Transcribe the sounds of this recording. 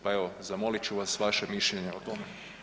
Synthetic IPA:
paeʋozamo̞lit͡ɕuʋasʋaʃemiʃʎeɲeot̪ome

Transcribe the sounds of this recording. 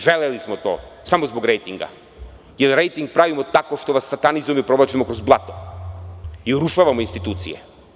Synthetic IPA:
ʒɛlɛlismɔt̪ɔ̰samɔzbɔɡɾɛjt̪iŋɡa̰ | jɛlɾɛjt̪iŋk̚pɾavimɔt̪akɔʃt̪ɔvasːat̪anizɔmipɾɔvat͡ʃimɔkɾɔzblˠat̪ɔ | iuɾuʃavaminst̪it̪ut̪sḭjɛ̰

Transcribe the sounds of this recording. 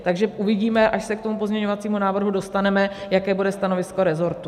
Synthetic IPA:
t̪aɡʒɛʔuvɪɟiːmɛʔaʃsɛk̚t̪o̞mupo̞zmɲɛɲo̞vat͡siːmunaːvr̩ɦudo̞st̪anɛmɛjakɛːbudɛst̪ano̞vɪsko̞ɾɛzo̞ɾt̪u

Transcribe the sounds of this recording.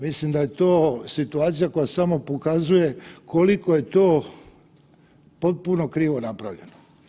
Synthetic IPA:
mislimd̪aje̞t̪oːsit̪uaːt̪sijako̞jasamo̞pokazuje̞kʰolikoje̞t̪oː | po̞t̪̚puno̞kɾiːʋo̞napɾaʋʎe̞̰no

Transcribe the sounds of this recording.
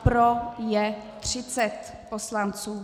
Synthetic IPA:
pɾojɛt̪r̝̥ɪt͡sɛt̪ | poslant͡suː

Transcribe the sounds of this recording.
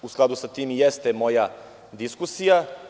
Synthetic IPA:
usklad̪usat̪iːmjest̪emo̞ja | d̪iskusija

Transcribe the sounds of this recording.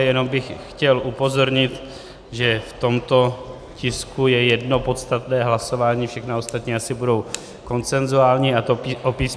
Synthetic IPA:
jɛno̞mbɪxxcɛlʔupo̞zo̞ɾɲɪt̪ | ʒɛft̪o̞mt̪o̞ | cɪskujɛjɛdno̞po̞t̪st̪at̪nɛːɦlaso̞vaːɲiːfʃɛxnao̞st̪at̪ɲiːasɪbudo̞w | ko̞nt͡sɛnzuaːlɲiat̪oʔopiːs

